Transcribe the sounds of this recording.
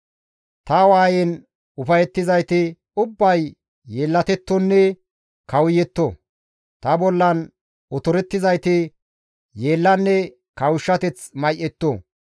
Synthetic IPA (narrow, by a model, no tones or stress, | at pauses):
t̪ɐwaːjɛn | ʊfɐjɛt̪ːɪzɐjt̪ɪ | ʊbːɐjː | eːlːɐt̪ɛt̪ːɔnːɛ | kɐwʊjɛt̪ːo | t̪ɐbɔlːɐn | ɔt̪ɔɾɛt̪ːɪzɐjt̪ɪ | jeːlːɐnːɛ | kɐwʊʃːɐt̪ɛt͡smɐjʔɛt̪ːo